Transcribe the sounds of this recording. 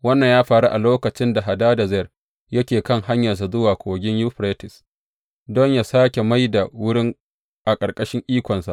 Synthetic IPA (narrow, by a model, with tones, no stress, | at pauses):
wɐ˦nːɐ˨ɲjaː˦ɸaː˨ɽu˦ʔa˨loː˦kɐ˨t͡ʃɪ˦nda˨ɦa˨daː˦da˨zɛ˦˨r | jɐ˦kʲeː˨kɐ˦ŋha˦ɲjɐ˨rs̬a˨zʊ˦waː˨kʷoː˨ɡʲɪ˦ɲju˦ɸɾeː˦tɪ˨s | dɔ˦ɲja˨saː˦kʲe˨ma˦jda˨wʊ˦ɽɪ˦ŋ | ʔa˨kʼɐ˨rkʼɐ˦ʃɪ˦ŋʔiː˦kʷɔ˨nsa˨ʔ